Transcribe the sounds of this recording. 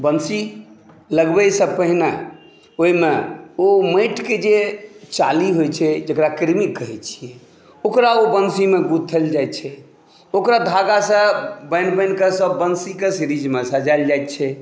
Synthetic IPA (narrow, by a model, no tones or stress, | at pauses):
bənsi | ləɡbəjsə̃pəɦine | oimeoməɪʈked͡ʒet͡ʃaliɦojt͡ʃʰɛd͡ʒekɾakiɾmikːəɦɛt͡ʃʰijɛ | okɾaobənsimeɡut̪ʰːəld͡ʒajt̪t͡ʃʰɛ | okɾad̪ʱaɡasə̃bənbənkesəbːənsikesiɾid͡ʒmesəd͡ʒajld͡ʒajt̪t͡ʃʰɛ